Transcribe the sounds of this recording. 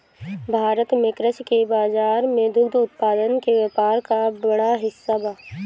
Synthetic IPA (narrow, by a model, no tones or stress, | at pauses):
bʱaːɾət̪mɪ̃kɾət͡ʃkebaːzaːɾmẽd̪ʊɡd̪ʊt̪̚paːd̪ənkeʋepaːɾkabəɽaɦɪsːabaː